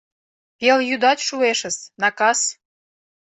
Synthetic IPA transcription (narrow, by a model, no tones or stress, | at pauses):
keljud̪ɑtʲʃueʃə̆snɑkɑs